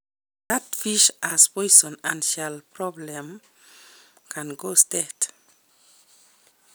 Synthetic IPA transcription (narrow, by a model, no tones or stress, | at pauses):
d̪atfiʃʔaspɔjsɔ̃nãnʃalpɾɔblɛ̃m | kʰãnɡostɛt